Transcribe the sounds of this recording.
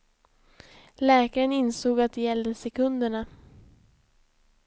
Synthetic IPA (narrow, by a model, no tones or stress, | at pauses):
lɛːkaɾənɪnsoːɡat̪̚d̪ɛjɛld̪əsɛkʰɵnd̪əɳa